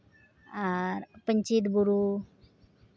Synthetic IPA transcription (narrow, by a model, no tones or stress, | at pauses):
aɾpəɲt͡ɕit̪buɾu